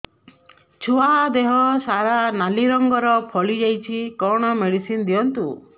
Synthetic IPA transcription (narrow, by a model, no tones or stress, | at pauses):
t͡ʃʰoad̪eɦɔsaɾanaliɾɔŋɡɔɾɔpʰɔlid͡ʒajt͡ʃʰikɔɽ̃ɔmeɽisind̪iɔnt̪u